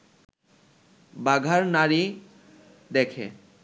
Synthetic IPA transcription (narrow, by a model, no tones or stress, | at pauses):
baɡʱaɾnaɾi | d̪ɛkʰḛ